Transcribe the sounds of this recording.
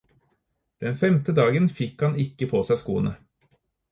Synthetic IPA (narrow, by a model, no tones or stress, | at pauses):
d̪̥ɛnfɛmt̪əd̪ɑːɡənfɪkhɑnɪkːəpʰoːsæɪskṵːnə̰